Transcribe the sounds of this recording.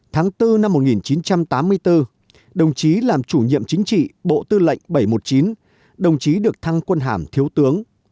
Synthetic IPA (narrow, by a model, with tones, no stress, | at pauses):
t̪ʰaː˨˦ŋt̪ɨ˧na˧mːo˨˩t̚ŋi˨˩nt͡ɕi˨˦nt͡ɕa˧mt̪aː˨˦mːɨ˧əjt̪ɨ˧ | ɗə˨˩wŋ͡mt͡ɕi˨˦laː˨˩mt͡ɕu˧˩ɲḭ˧˨əmt͡ɕï˨˦ŋ̟t͡ɕḭ˧˨ɓo̰˧˨t̪ɨ˧lə̰˧˨jŋ̟ɓə˧˩jmo˨˩t̚t͡ɕi˨˦n | ɗə˨˩wŋ͡mt͡ɕi˨˦ɗɨ˨˩ək̚t̪ʰa˧ŋkwə˧nɦaː˧˩mt̪ʰi˨˦əwt̪ɨ˨˦əŋ